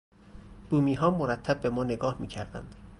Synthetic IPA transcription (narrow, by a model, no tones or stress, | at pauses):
b̥uːmiːɦɒːmoɾæt̪ʰːæb̚ːe̞mɒːne̞ɡɒːhmiːcʰæɾd̪æ̰nd̪̥